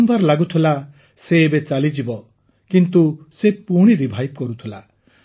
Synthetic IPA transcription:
mbʱaɾlaɡut̪ʰila | seːbet͡ʃalid͡ʒibɔ | kint̪usepuɽ̃iɾibʱajb̚kɔɾut̪ʰila

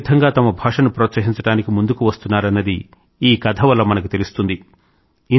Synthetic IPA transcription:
t̪ʰɐŋɡaːt̪ɐmɐbʱaːʂɐnupɾoːt̪sɐɦiɲt͡ʃɐɽaːnikimund̪ukuʋɐst̪unːaːɾɐnːɐd̪i | iːkɐd̪ʰʱɐʋɐlːɐmɐnɐkut̪e̞lust̪und̪i | i

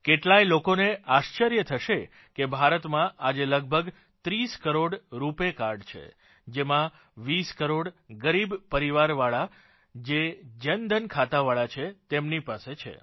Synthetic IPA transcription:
keʈlajlokoneaʃt͡ʃəɾjət̪ʰəʃe | kebʱaɾət̪mãʔad͡ʒeləɡ̚bʱəɡ | t̪ɾiskəɾoɽɾupekaɾɖt͡ʃʰḛ | d͡ʒemã | ʋiskəɾoɽɡəɾibpəɾiʋaɾʋaɭa | d͡ʒed͡ʒənd̪ʱənkʰat̪aʋaɭat͡ʃʰet̪emnipaset͡ʃʰḛ

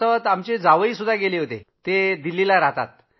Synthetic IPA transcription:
əət̪amt͡ɕed͡zaʋəiːsud̪ʱːaɡeleɦot̪ḛt̪ed̪ilːilaɾat̪a̰t̪̚

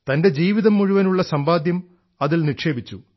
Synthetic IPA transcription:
t̪ɐnde̞d͡ʑiːʋiðɐmːuɻuʋɐnuɭːɐsɐmbaːd̪jɐm | ɐðilnikʂe̞ːbit͡ɕːu

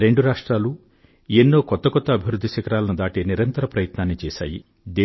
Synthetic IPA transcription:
ɾe̞ɳɖuɾaːʂʈɾaːlu | enːo̞ːkɔt̪ːɐkɔt̪ːɐːbʱiʋɾud̪ʱːiʃɐkɐɾaːlɐnud̪aːʈeːniɾɐnt̪ɐɾɐpɾɐjɐt̪naːnːit͡ʃɛːʃa̰ːjḭ | d̪e

